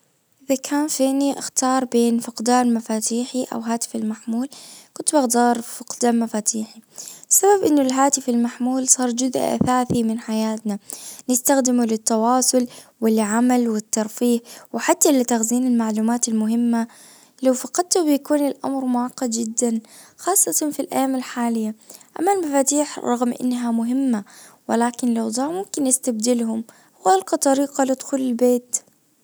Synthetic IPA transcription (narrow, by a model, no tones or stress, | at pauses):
ʔɪðakʰaːnfiːniʔɪxt̪ɑːɾˤbeːnfʊqd̪aːnmafaːt̪iːħiʔa̰wɦaːt̪ɪ̥fɪlmaħmuːlkʊnt̪baɣd̪ɑːɾˤfʊqd̪aːnmafaːt̪ʰiːħiɪsːababʔɪnːʊlɦaːt̪ɪfɪlmaħmuːlsˤɑːɾˤd͡ʒʊzʔʔa̰θaːθimɪnħajaːt̪nanɪst̪axd̪ɪmulɪt̪ːɑwɑːsˤʊlwɪlʕamalwɪt̪ːɑɾˤfiːhwɪħat̪ːalɪt̪axziːnɪlmaʕluːmaːt̪ɪlmʊɦɪmːa | lawfɑqɑd̪̚t̪ubɪjakuːnɪlʔa̰mɾmʊʕɑqːɑd̪d͡ʒɪd̪ːan | xɑːsˤːɨt̪ˤɑnfilʔa̰jːaːmɪlħaːlɪjːaʔa̰mːalmafaːt̪iːħɾˤɑɣmʔɪ̰nːɦamʊɦɪmːa | wɪlaːkɪnlawd̪ˤɑːmʊmkɪnːɪst̪ab̚d̪ɪlhʊm | wʔalqɑt̪ˤɑɾiːqɑlɪd̪xuːlɪlbeːt̪